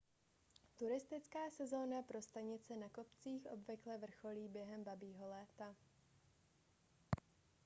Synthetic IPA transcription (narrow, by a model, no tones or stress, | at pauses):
t̪uɾɪst̪ɪt͡skaːsɛzo̞ːnapɾo̞st̪aɲɪt͡sɛnako̞pt͡siːxʔo̞bvɪklɛvr̩xo̞liːbjɛɦɛmbabiːɦo̞lɛːt̪a